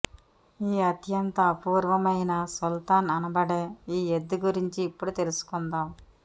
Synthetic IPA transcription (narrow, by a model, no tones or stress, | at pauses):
iːɐt̪jɐnt̪ɐpuːɾʋɐmɐjnɐsult̪aːnɐnɐbɐɽeːiːed̪ːuɡuɾiɲt͡ʃiːpːuɽut̪e̞lusu̥kund̪aːm